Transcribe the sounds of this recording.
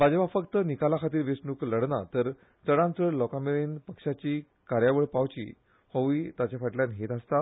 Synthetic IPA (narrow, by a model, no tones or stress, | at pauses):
bad͡ʑʋafəkt̪ənikalakʰat̪iːɾʋesɳuːkləɽnat̪əɾ | t͡səɽãnt͡səɽlɔkameɭenpəkʂat͡ɕiː | kaɾjaʋəɭpaʋt͡ɕḭː | hoʋit̪at͡ɕjafəʈljanɦet̪ast̪a